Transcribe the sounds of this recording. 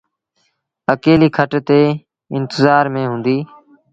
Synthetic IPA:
əkeːliːkʰəʈt̪eː | ɪnt̪ɪzaːɾmẽːɦũːnd̪iː

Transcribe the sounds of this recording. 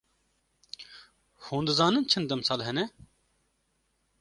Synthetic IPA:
hũːnd̪ɨzɑːnɨnt͡ʃʰɨnd̪ɛmsɑːlɦɛnɛ

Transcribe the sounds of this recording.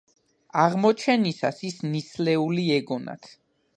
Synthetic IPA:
aʁmɔt͡ʃʰɛnisasisnislɛuliɛɡɔna̰t̪ʰ

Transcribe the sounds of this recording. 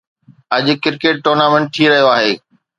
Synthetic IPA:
ɐd͡ʑʊ̆kɪɾkeːʈ̚ːoːɾnaːmẽɳʈ̚t̪ʰiːɾɐɦijoaːɦeː

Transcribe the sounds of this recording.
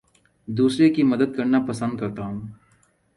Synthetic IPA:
d̪uːsɾekimɐd̪əd̪̚kɐɾnapɐsə̃nd̪̚kɐɾt̪aɦũː

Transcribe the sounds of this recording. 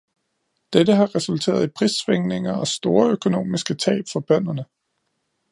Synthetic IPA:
d̥ed̥əɦɑ̈ʁɛsult͡sʰe̝̰ːɐð̞ˠipʰʁisːʋeŋne̝ŋɐɒ̽sd̥o̝ːɐøkʰo̝no̝̰ːmisɡ̥ət͡sʰɛ̰ːb̥fɒ̽b̥ɶn̰ɐnə

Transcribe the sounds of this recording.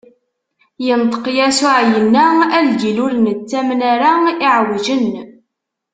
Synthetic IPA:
jənt̪ˤə̥qjæsʊʕjənːæælɡilʊɾnət͡sːæmnaɾaiʕwd͡ʒən

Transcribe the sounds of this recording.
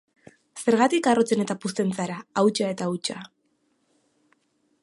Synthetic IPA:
se̞ɾɣat̪ikaro̞t͡sene̞t̪apust̪e̞nt͡saɾaawt͡ʃae̞t̪aut͡ʃa

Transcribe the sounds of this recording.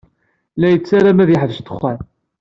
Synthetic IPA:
læjət͡sːaɾamæðjiħðəʃt̪ə̥χːæn

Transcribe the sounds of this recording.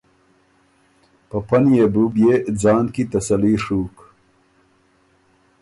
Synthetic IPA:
pəpɐnjebubjed͡zɑːnkit̪ɐsɐliːʂuːk

